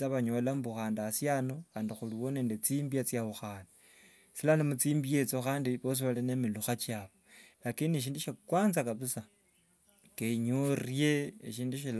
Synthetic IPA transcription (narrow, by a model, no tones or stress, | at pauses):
aβaɲo̞lambuxaːndasjanoxaːndixuliβoneːndet͡simbiat͡sjaβuxaːni | silanemut͡siːmbije̞t͡soxaːndiβos̬iβalinemiluxat͡ʃjaβolakinieʃ̬iːnduʃakwaːnzakaβusa | keɲurje̞ːʃ̬iːnduʃil